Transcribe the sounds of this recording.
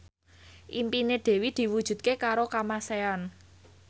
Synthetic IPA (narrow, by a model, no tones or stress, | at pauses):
ʔimpined̪̥e̤wid̪̥i̤wud̥ʒ̥ṳt̪̚kekaɾokamasean